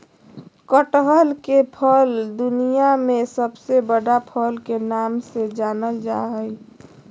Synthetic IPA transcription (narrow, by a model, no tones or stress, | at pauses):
kəʈɦəlkepʰəld̪ʊnijamẽsəbsebəɽapʰəlkenaːmsed͡ʒaːnəld͡ʒa̰ɦəj